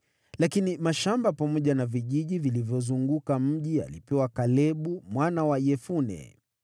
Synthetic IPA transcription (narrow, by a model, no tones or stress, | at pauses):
lakinimaʃambapamɔʄanaviʄiʄivilivjɔzuŋɡukam̩ʄia̰lipɛwakalɛɓumwanawajɛfunɛ̰